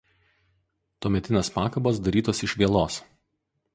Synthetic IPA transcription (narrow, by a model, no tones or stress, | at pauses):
t̪uɔmʲɛt̪ʲɪnʲeːspɑːkɐbɐsd̪ɐɾʲiːt̪oːsɪʃʲʋʲiɛlˠoːs